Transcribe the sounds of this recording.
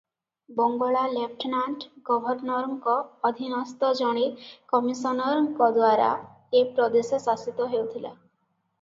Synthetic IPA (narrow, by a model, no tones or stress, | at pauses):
bɔŋɡɔɭalep̚ʰʈʰnaɳʈɡɔbʱɔɾnɔɾɔŋkɔːd̪ʱinɔst̪ɔd͡ʒɔɽ̃ikɔmisɔnɔɾɔŋkɔd̪waɾa̰ | epɾɔd̪esɔsasit̪ɔɦewt̪ʰila̰